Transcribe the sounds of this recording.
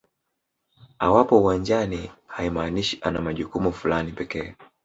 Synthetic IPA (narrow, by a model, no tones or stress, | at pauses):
awapɔuwand͡ʒanihaimaːniʃiʔanamaʄukumufulanipɛkɛː